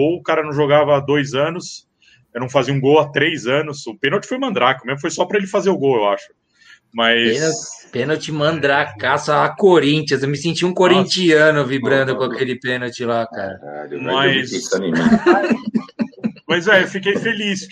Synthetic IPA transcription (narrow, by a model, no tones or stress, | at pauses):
owʊkaɾɐnɐ̃w̃ʒoɡavɐad̪ojzɐ̃nʊs | ewnɐ̃w̃faziɐũɡowat̪ɾejzɐ̃nʊsʊpẽnowt͡ʃɪ̥fojmɐ̃nd̪ɾakɪmẽzmʊfojsɔpɾɐelɪfazeɾʊɡowewaʃʊ̥ | mɐjenpẽnowt͡ʃɪmɐ̃nd̪ɾakasɐakoɾĩnt͡ʃiɐzewmɪsẽnt͡ʃiũkoɾĩnt͡ʃiɐ̃nʊvibɾɐ̃nd̪ʊkõakelɪpẽnowt͡ʃɪlaka̰ɾɐ̰a̰mɐjsisɐnimḭ̃ | mɐjzɛewfikejfelis